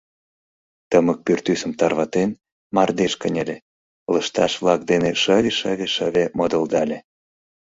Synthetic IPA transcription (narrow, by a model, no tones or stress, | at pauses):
t̪əmək̚pyrt̪ysə̆mt̪ɑrβɑt̪en | mɑrd̪eʃkənʲelʲe | ləʃt̪ɑʃvlɑk̚d̪eneʃəβʲeʃəβʲeʃəβʲemod̪ə̆ld̪ɑlʲe